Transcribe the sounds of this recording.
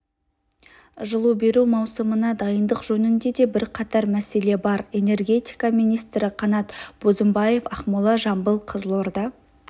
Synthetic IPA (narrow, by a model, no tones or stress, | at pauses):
ʒəlˠube̞ɾumɑwsəmənɑd̪ɑjənd̪əqʒɵnɪnd̪e̞d̪e̞bɪɾqʰɑt̪ɑɾmæse̞le̞bɑɾe̞ne̞rɡʲe̞t̪ijkɑmijnijst̪ɾɪqʰɑnɑt̪b̥ozəmbɑje̞fɑχmulˠɑʒɑmbəlˠqʰəzəlˠo̞ɾd̪ɑ